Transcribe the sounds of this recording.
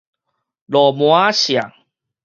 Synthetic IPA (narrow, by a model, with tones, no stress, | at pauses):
lɔ˨˩mw̃a˦ɕja˨˩ŋ